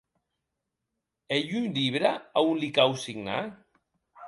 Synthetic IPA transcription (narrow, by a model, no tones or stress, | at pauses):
eʎunʎiβɾaaunlikawsiɡna̰